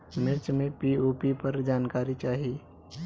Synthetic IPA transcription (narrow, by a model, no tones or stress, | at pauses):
mɪɾt͡ʃmẽpioːpipɐɾd͡ʒaːnkaːɾit͡ʃaːɦii